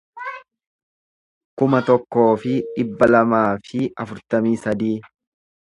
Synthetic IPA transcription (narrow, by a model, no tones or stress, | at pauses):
kʊmɐt̪ɔkːo̞ːfɪᶑɪbːɐlɐmaːfɪɐfʊɾt̪ɐmiːsɐd̪iː